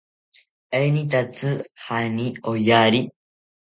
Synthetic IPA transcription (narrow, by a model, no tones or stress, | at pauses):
einit̪at͡sɨhaniojaɾi